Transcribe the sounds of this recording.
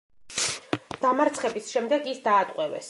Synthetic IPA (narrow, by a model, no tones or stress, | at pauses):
d̪̥amaɾt̪sʰχɛbisʃɛmd̪ɛɡisd̪aːt̪ʼqʼwɛvɛ̰s